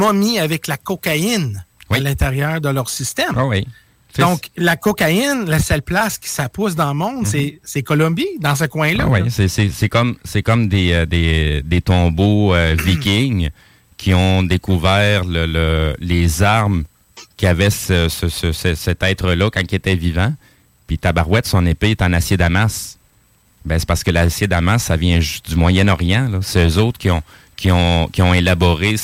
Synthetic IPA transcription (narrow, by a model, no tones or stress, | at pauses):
mɔmiavɛklakɔkaɪnwialɛ̃t̪eʁjœːʁd̪əlœːʁsist̪ɛmwi | sɔ̃klakɔkaɪnlasœlplaskʲi̥sapʊs̬d̪ɑ̃ləmɔ̃d̪sesekɔlɔ̃bid̪ɑ̃s̬əkwɛ̃lʌwisɛsɛsɛkɔmsɛkɔmd̪ed̪ed̪et̪ɔ̃boøvikʲɪŋ | kʲʰiɔ̃d̪ekuvɛːʁlələlezaʁm | kʲiavɛsəsəsəsɛsɛt̪ɛːt̪χəlʌkɑ̃kiet̪ɛvivã | pit̪abaʁwɛt̪sɔ̃nepeet̪ɑ̃nasjed̪amas | bɛ̃se̥paʁsə̥kəlasjed̪amasːavjɛ̃ʒy̥st̪̚d̪ymwajɛnɔʁjɑ̃lɔsɛøzoʊt̪χkʲiɔ̃ | kʲiɔ̃kʲiɔ̃elabɔʁe